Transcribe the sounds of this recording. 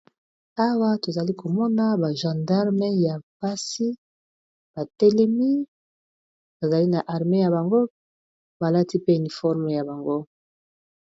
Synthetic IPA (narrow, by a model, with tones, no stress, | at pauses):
a˦wa˦to˨za˨li˦kʰo˨mɔ˦na˦ba˨ʒã˨nda˦ʁme˦ja˨ba˦si˦ | b̥a˨tɛ˦lɛ˦mi˦ | ba˨za˨li˦na˨ʔa˨ʁme˦ja˨ba˨ŋɡo˦ | ba˨la˦ti˦pe˦y˨ni˨fɔ˦ʁme˨ja˨ba˨ŋɡo˦